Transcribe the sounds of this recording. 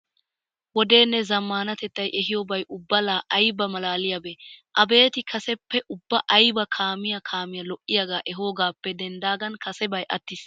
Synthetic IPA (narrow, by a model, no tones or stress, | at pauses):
wɔd̪e̞ːnːɛzɐmːaːnɐt̪ɛt̪ːɐjʔɛɦɪjɔbɐjʔʊbːɐlaːʔɐjbɐmɐlaːlɪjɐbeːʔɐbe̞ːt̪ɪkʰɐsɛpːɛʔʊbːɐʔɐjbɐkʰaːmɪjɐkʰaːmɪjɐlɔʔːɪjaɡaːʔɛɦo̞ːɡaːpːɛd̪ɛnd̪aːɡɐnkɐsɛbɐjʔɐt̪ːɪs